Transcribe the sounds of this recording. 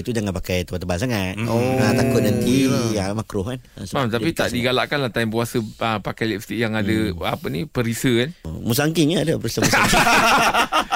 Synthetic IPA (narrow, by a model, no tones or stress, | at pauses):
it̪ud͡ʒaŋanpakajt̪əwat̪əbansaŋat̪̚onat̪akonant̪iamakɾʊhkansmamt̪apit̪aʔdiɡalaʔkanlaht̪aimpuasəəpakajlift̪ikjaŋadəapənipəɾisəkanmus̬aŋkɪŋɲaːdapəɾisəmusa